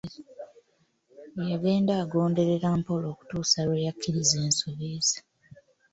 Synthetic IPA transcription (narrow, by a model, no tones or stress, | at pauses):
jaɡe̞ːndaːɡo̞ːnde̞ɾe̞ɾampo̞lo̞ːku̥tuːsalwejakːiɾize̞ːnso̞βezḁ